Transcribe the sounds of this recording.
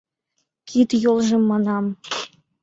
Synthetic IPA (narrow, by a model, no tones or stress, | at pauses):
kʰit̪jolˠʒĕmːɑnɑm